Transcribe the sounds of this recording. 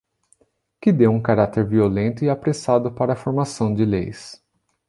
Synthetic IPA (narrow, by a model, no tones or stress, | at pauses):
kɪd̪ewũkaɾat̪eɾviolẽnt̪ʊɪapɾesad̪ʊpaɾɐfoɾmasɐ̃w̃d͡ʒɪlḛjs